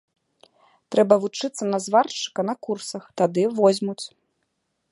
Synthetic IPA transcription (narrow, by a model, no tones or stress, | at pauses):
t̪ɾɛbɐvut͡ʂɨt̪sːɐnɐzvart͡ʂɨ̥kɐnɐkursɐxt̪ad̪ɨvɔzʲmut͡sʲ